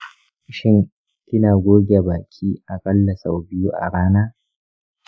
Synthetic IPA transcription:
ʃɪ˦ŋ | kʲɪ˦naː˨ɡʷoː˦ɡʲa˨baː˨kʲʰʼiː˦ʔa˨kʼɐ˦lːɐ˨sa˨wbɪ˦ju˦ʔa̰˨ɽaː˦naː˦

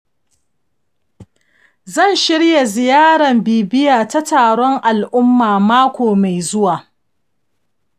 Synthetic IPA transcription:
zɐ˦˨nʃɪ˦ɽja˨zɪ˨jaː˦ɽɐ˨mbiː˨bɪ˦jaː˨ta˦taː˨ɽɔ˦ŋʔa˨lʔʊ˦mːaː˨maː˦kʷoː˨ma˨jzʊ˦waː˨

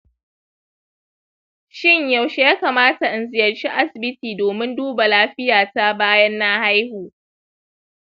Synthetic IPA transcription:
ʃɪ˦ɲja˨wʃe˦jaː˦kaː˨maː˦ta˨ʔɪ˨nzɪ˨jɐ˨rt͡ʃi˦ʔa˦sɪ˨bɪ˦tiː˨doː˨mɪ˦nduː˦ba˨laː˦ɸɪ˦jaː˨ta˦baː˦jɐ˦nːa˦ha˦jhuː˨

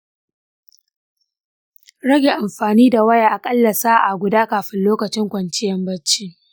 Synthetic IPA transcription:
ɽɐ˦ɡʲeː˨ʔa˨mɸaː˨niː˦da˨wɐ˦jaː˨ʔa˨kʼɐ˦lːɐ˨saː˦ʔa˨ɡʷʊ˨daː˦kaː˨ɸɪ˦nloː˦kɐ˨t͡ʃɪ˦ŋkʷɐ˨nt͡ʃɪ˦jɐ˦mbɐ˦t͡ʃːiː˦

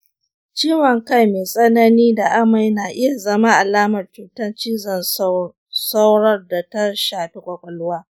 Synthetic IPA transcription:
t͡ʃiː˦wɐ˨ŋka˦jmeː˨sʼɐ˦nɐ˦niː˦da˨ʔa˦ma˦jnaː˨ʔɪ˦ja˨zɐ˦ma˦ʔa˨laː˦mɐ˨rt͡ʃuː˨tɐ˦nt͡ʃiː˦zɐ˨n | sa˦wɽɐ˦rda˨ta˦ʃaː˨ɸi˦kʷʼɐ˨kʷʼɐ˨lʊ˦waː˦

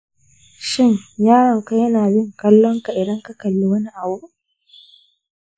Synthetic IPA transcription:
ʃɪ˦˨ɲjaː˦ɽɔ˨ŋka˦jɐ˦naː˨bɪ˦˨ŋkɐ˦lːɔ˦ŋka˨ʔɪ˨dɐ˦ŋkɐ˦kɐ˨lːi˦wɐ˦ni˦ʔa˨buː˦

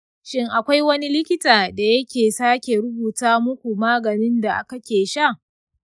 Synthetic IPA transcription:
ʃɪ˦ŋʔa˨kʷa˦jwɐ˦ni˦lɪ˦kʲɪ˦taː˨da˨jɐ˦kʲeː˨saː˦kʲe˨ɾʊ˦buː˨taː˦mʊ˦kʷu˨maː˦ɡɐ˨nɪ˦nda˨ʔa˦kɐ˦kʲeː˨ʃa˦˨

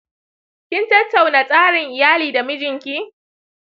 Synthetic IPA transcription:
kʲɪ˦ntɐ˦tːa˨wnaː˨sʼaː˦ɽɪ˨ŋʔɪ˨jaː˦liː˨da˨mɪ˦d͡ʒɪ˨ŋkʲiː˦

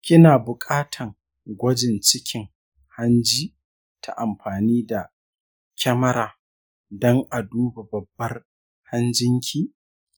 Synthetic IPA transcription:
kʲɪ˦naː˨bʊ˨kʼaː˦tʰɐ˨ŋ | ɡʷɐ˦d͡ʒɪ˨nt͡ʃɪ˦kʲɪ˨ŋ | ha˦nd͡ʒiː˦ | tʰa̰˨ʔa˨mɸaː˨niː˦da˨ | kʲʰɐ˦mɐ˦ɾaː˨ | dɔ˦ŋʔa˨duː˦ba˨bɐ˨bːɐ˦r | ha˦nd͡ʒɪ˦ŋkʲʰiː˦

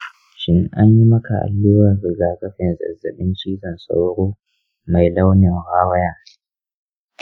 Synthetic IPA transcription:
ʃɪ˦ŋʔa˦ɲji˦mɐ˦ka˨ʔa̰˨lːɪ˦wɐ˨ɾɪ˨ɡaː˨kɐ˦ɸɪ˨nzɐ̰˨zːɐ˨ɗɪ˦nt͡ʃiː˦zɐ˨nsʼa̰˦wɽoː˦ | ma˨jla˦wnɪ˨ŋhaː˦wɐ˦jaː˦˨

